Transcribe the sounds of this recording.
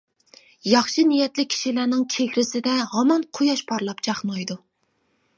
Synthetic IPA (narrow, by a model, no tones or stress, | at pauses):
jɑχʃinijɛt̪lɪkʲʰi̥ʃilænɪŋt͡ʃʰekʲɾɪsɪd̪ɛhɑmɑnqʰojɑʃpʰɑɾlˠɑpt͡ʃʰɑχnojd̪u